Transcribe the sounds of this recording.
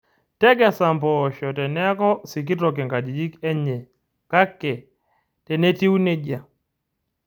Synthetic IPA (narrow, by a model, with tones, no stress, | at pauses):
tɛ˦ɡɛ˨sa˨mpɔʃɔ˨tɛ˨nɛ˦kɔ˦si˨k̬i˦tɔ˨kɛ˨ŋka˨d͡ʒi˨d͡ʒi˦kɛ˦ɲɛ˨ | ka˦kːɛ˨ | tɛ˨ne˦ti˦wu˦ne˦d͡ʒa˨